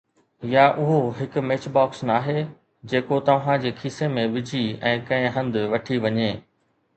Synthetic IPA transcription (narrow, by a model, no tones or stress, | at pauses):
jaʔʊɦoɦɪkʊ̆meːt͡ɕbaːksnaːɦe | d͡ʑeːkot̪ɐʋ̤ãd͡ʑeːkʰiːsemẽʋɪd͡ʑʱiɛ̃ːkɐ̃ɦɪ̃ɦɐ̃nd̪ɪʋɐʈʰiʋɐɲeː